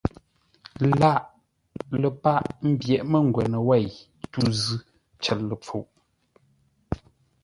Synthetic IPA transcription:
la˦ʔ | lə˨pa˦˨ʔm̩˦bjɛ˨ʔmə˦ŋ˨ɡwɛ˨nə˨wɛ˦˨j | tu˦˨zʉ˦ | t͡ʃɛ˨lːə˨p͡fo˨ʔ

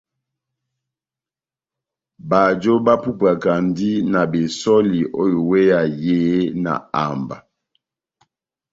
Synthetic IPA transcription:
ba˨d͡ʒo˦ba˦pu˦pa˨ka˨ndi˦na˨be˨sɔ˦li˨ʔo˦jo˨we˦ja˨je˦na̰˨a̰˨mba̰˨

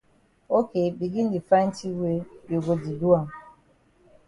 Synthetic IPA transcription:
o˦ke˨bi˨ɡɪ˦n̩˦dɪ˨fa˦n̩˦ti˦we˦jo˨ɡo˨di˨du˦a˨m˨

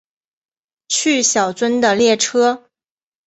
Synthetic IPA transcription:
t͡ɕʰy˥˩ɕjɑ˨˩ʊt͡swə˥nd̪ə˨ljɛ˥˩ʈ͡ʂʰɤ˥

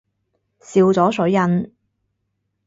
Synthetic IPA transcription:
siː˧wt͡sɔː˨˥sɵ˨˥ɥjɐ˧n

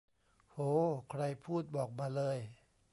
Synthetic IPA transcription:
hoː˧˦kʰɾa˧˩jpʰuː˥˩t̪̚bɔː˨˩k̚maː˧lɤː˧˥˩j

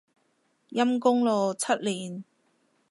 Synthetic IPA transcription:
jɐ˥mkʊ˥ŋloː˨˧t͡sʰɐ˥t̚liː˨˩n

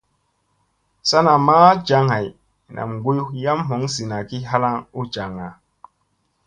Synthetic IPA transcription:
sa˦na˨maː˦d͡ʒa˨˦ŋha˨j | nʔa̰˨mɡu˦ju˦ja˦mɦo˨˦ŋsi˨na˨ki˦ɦa˦la˦ŋu˦d͡ʒa˨ŋa˨

